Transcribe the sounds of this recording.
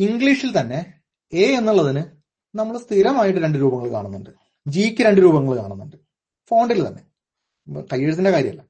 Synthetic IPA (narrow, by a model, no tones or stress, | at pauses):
iŋɡɭiːʂilt̪ɐnːe̞ | eːenːuɭːɐðinɨ | nɐmːɐɭst̪ʰiɾɐmaːjiʈ̬ːɨɾe̞ɳɖɨɾuːbɐŋːɐɭka̰ːɳunːuɳɖɨ | d͡ʑiːkʲːɨɾe̞ɳɖɨɾuːbɐŋːɐɭkaːɳunːuɳɖɨ | fo̞ːɳɖilt̪ɐnːe̞̰ | kɐjːeɻs̬inde̞kaːɾjɐ̰mɐlːɐ